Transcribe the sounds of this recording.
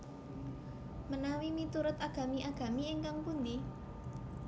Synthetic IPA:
mənawimit̪uɾʊt̪aɡ̥a̤miʔaɡ̥a̤mieŋkaŋpund̪i

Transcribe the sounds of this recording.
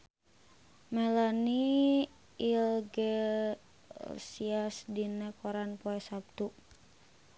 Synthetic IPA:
mɛlaniː | lɡɛ | siasdinɛkɔɾanpoɛsap̚t̪u

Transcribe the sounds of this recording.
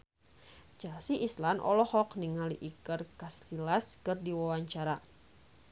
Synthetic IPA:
d͡ʒasiʔːslanʔɔ̰lɔhɔkniŋaliʔikərkastilaskɨrdiwawaɲt͡ʃaɾa

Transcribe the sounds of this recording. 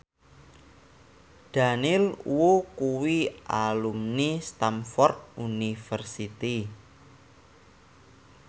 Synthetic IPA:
ɖ̥a̤nɪlwokuwiʔa̰lumnist̪amfɔrt̪̚unifərsit̪i

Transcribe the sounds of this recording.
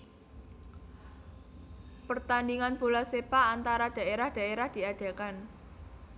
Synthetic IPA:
pərt̪andiŋanb̥olasepaʔːnt̪aɾad̥a̤eɾahd̪̥ä̤eɾahd̪̥i̤ad̪̥ä̤kan

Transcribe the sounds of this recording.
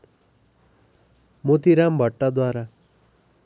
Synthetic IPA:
mot̪iɾambʱʌʈːad̪waɾa

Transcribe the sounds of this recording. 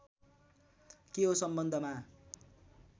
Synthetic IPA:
keɦosʌmbʌnd̪ʱʌma

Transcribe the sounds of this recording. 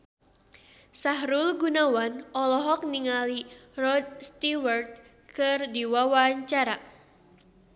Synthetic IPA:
saɦɾulɡunawanɔlɔɦɔk̚niŋalirɔd̪̚st̪iwart̪̚ | kɨrdiwawaɲt͡ʃaɾa

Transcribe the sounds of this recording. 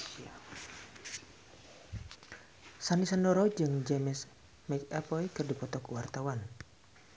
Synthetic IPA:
sanisandɔɾɔd͡ʒɨŋd͡ʒɛmɛs | mɛt͡ʃɛpɔjkɨrdipɔt̪ɔkuwart̪awan

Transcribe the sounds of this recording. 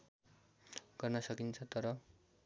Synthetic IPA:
ɡʌrnʌsʌkint͡sʰʌt̪ʌɾʌ

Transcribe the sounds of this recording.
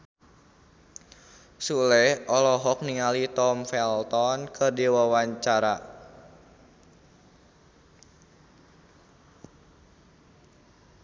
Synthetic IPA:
sulɛʔɔlɔɦɔk̚niŋalit̪ɔmfɛlt̪ɔnkərdiwawaɲt͡ʃaɾa

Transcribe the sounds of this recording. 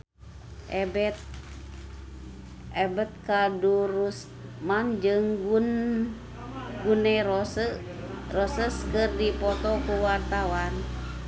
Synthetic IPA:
ʔɛbɛt̪̚ | ɛbət̪̚kadurus | mand͡ʒɨŋɡun | ɡunɛrɔsə | rɔsəskərdipɔt̪ɔkuwart̪awan

